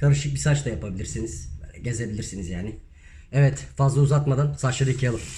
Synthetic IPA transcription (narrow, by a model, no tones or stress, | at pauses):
kʰaɾɯʃɯk̚bisat͡ʃlajapʰabilʲiɾsiniz̥ɟe̞ze̞bilʲiɾsinizjaːnɪ | ɛvɛt̪fazlˠauzat̪mad̪ansat͡ʃlˠaɾɯicʰialˠɯm